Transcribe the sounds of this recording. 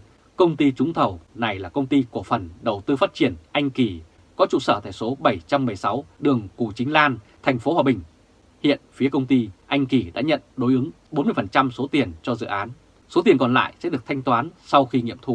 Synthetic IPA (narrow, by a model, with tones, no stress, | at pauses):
kə˧wŋ͡mt̪i˧t͡ɕʊ˨˦ŋ͡mt̪ʰə˨˩wna˨˩jlaː˨˩kə˧wŋ͡mt̪i˧ku˧˩əfə˨˩nɗə˨˩wt̪ɨ˧fa˦˥t̚t͡ɕi˧˩ənʔa˧jŋ̟ki˧˩ | kɔ˨˦t͡ɕṵ˧˨səː˧˩t̪aː˧˩jso˨˦ɓə˧˩jt͡ɕa˧mːɨ˨˩əjsa˨˦wɗɨ˨˩əŋku˧˩t͡ɕï˨˦ŋ̟laː˧n | t̪ʰɛ˨˩ŋ̟fo˨˦hwaː˨˩ɓï˨˩ŋ̟ | hḭ˧˨ənfi˨˦əkə˧wŋ͡mt̪i˧ʔa˧jŋ̟ki˧˩ɗa̰ː˧˥ɲə̰˧˨nɗo˨˦jʔɨ˨˦ŋ | ɓo˨˦nmɨ˧əfə˨˩nt͡ɕa˧mso˨˦t̪i˨˩ənt͡ɕɔ˧zɨ̰˧˨ʔaː˨˦n | so˨˦t̪i˨˩ənkɔ˨˩nla̰ː˧˨jsɛ̰˧˥ɗɨ˨˩ək̚t̪ʰa˧jŋ̟t̪waː˨˦nsa˧wxi˧ŋḭ˧˨əmt̪ʰṵ˧˨